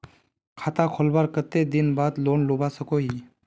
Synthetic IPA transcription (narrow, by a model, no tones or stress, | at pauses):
kʰaːt̪akʰolbaɾkət̪ed̪inbaːd̪loːnlobasəkoɦi